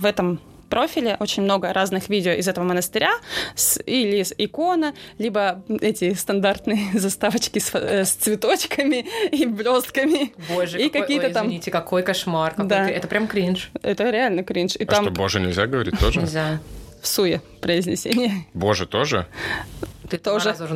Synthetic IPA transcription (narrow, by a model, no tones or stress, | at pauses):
vɛt̪əm | pɾo̞fʲɪlʲɪʔo̞t͡ɕɪnʲmno̞ɡəɾʔaznɨxvʲidʲɪoʔɪzɛt̪əvəmənəst̪ɨɾʲasilʲisɪko̞nəlʲibəɛtʲɪst̪ɐnd̪art̪nɨjəzɐst̪avət͡ɕkʲɪsst̪svʲɪt̪o̞t͡ɕkəmʲɪiblʲo̞st̪kəmʲɪboʐikɐkʲijt̪ət̪amʲitʲɪkɐkojkɐʂmarkɐd̪aɛt̪əpɾʲamkɾʲinʂɛt̪əɾʲɪalʲnəkɾʲinʂit̪amoboʐɨnʲɪlʲzʲaɡəvɐɾʲitt̪ːoʐəɪlʲzʲafsujɪpɾəɪzʲnʲɪsʲenʲɪjəbo̞ʐɨt̪o̞ʐɨ̰ | ɨt̪oʐɨ